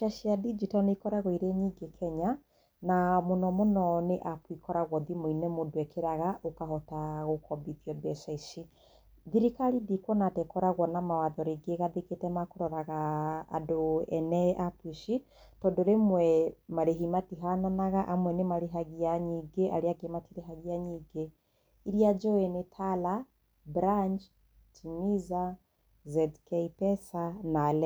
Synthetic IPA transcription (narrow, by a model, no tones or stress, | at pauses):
ʃaʃiadid͡ʒitɔneikɔɾaɣɔiɾeɲiɡekʰɛɲa | namonɔmonɔneʔapwikɔɾaɣwɔðimoinɛmodowɛkʰeɾaɣaʔokaɦɔtaɣokʰɔbitiɔdɛsaisi | ðiɾikalidikwɔnatɛkɔɾaɣwɔnamawaðɔɾeɡeɣaðeketɛmakoɾɔɾaɣa̰ːdoɛnɛapwiʃi | tɔndɔɾemwɛmaɾeɦimatiɦananaɣaʔamwɛnemaɾeɦaɣiaɲiɡeʔaɾeaɡematiɾeɦaɣiaɲiɡe | iɾiad͡ʒɔɛnetʰala | bɾaɲd͡ʒ | tʰimiza | zɛdkɛipɛsanalɛ